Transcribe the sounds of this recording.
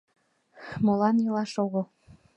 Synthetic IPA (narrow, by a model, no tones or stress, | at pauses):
molɑnjɤlɑʃoɣɤ̆lˠ